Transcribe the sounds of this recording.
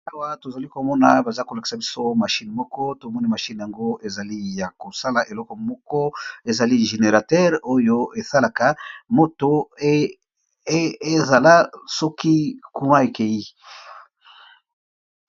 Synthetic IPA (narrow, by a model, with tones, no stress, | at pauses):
a˦wa˨to˨za˨li˦ko˨mɔ˦na˨ba˨za˦ko˨la˨ki̥˨sa˨bi˦so˦ma˨ʃi˦n˨mɔ˦kɔ˦to˨mɔ˦ni˦ma˨ʃi˦n˨ja˨ŋɡo˦e˨za˨li˦ja˨ko˨sa˦la˨ʔe˨lɔ˦kɔ˨mɔ˦kɔ˦e˨za˨li˦ʒe˨ne˨ʁa˨tɛ˦ʁo˦jo˦e˨sa˦la˨ka˨mo˦to˨˦ | e˦za˨la˦sɔ˦ki˦ku˦ma˦e˨ke˨ji˦